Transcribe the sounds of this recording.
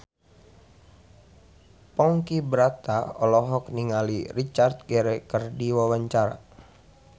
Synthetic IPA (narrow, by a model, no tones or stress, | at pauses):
pɔŋkibɾat̪aɔlɔɦɔk̚niŋalirit͡ʃart̪̚ɡɛɾɛkərdiwawaɲt͡ʃaɾa̰